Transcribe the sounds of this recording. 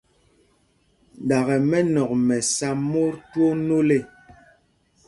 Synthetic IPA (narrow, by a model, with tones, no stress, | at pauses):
da˨ɣɛ˨mɛ˦nɔ˨k̚mɛ˨sa˦mo˦ɾtwo˦no˦le˦˨